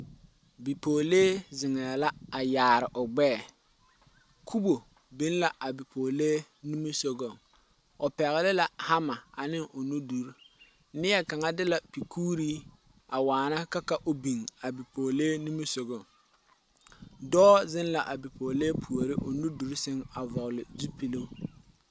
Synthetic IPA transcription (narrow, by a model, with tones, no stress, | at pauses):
bi˨poː˨leː˦zɪ˨ŋɛ˨la˦a˨jaː˨ɾɪ˨ʔʊ˨ɡ͡bɛː˦˨ | kʰu˦bo˨ | bɪ˨˦nla˨ʔa˨bi˨pʰoː˨le˦ | ni˦mi˦so˦ɡo˦˨ŋ | ʊ˨pɛ˨ɣɪ˨lɪ˦la˨ha˦ma˨a˨nɪ˦ŋʔʊ˨nu˦du˨ɾ | nɪ˦jɛ˦ka˨ŋa˦dɪ˦la˨pi˨kʰuː˦ɾiː˦ | a˨waː˨na˦ka˦ka˦ʔo˨bi˨ŋa˨bi˨poː˨leː˦ni˦mi˦so˨ɡo˦˨ŋ | dɔː˦zɪ˦nla˨ʔa˨bi˨poː˨leː˦pʰu˨o˨ɾɪ˦ʔo˨nu˦du˨ɾsɪ˦ŋa˨vɔ˨ɣlɪ˨zu˦pi˨lo˦